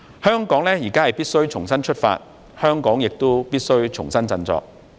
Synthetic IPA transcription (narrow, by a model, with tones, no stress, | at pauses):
hœː˥ŋkɔː˨˥ŋlɛː˥jiː˨˩kaː˥hɐ˨jpiː˥t̚sɵ˥ɥt͡sʰʊ˨˩ŋsɐ˥nt͡ʃʰɵ˥t̚fa̰ː˧t̚ | hœː˥ŋkɔː˨˥ŋjɪ˨k̚t̪o˥piː˥t̚sɵ˥ɥt͡ʃʰʊ̰˨˩ŋsɐ˥nt͡sɐ˧nt͡sɔ̰ː˧k̚